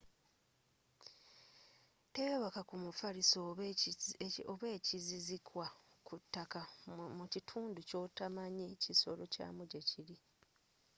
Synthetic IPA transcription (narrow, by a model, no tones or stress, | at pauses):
tejoβakakumufaɾiso | oβeːcizizikwakʰutːakamucitʰuːnduco̞ːtamaɲeciso̞̰lo̞ca̰ːmuɟeciɾi